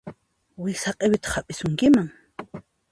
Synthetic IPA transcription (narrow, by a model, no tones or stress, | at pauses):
wɪsaqʼewɪt̪ḁχapʼɪsʊŋkɪmaŋ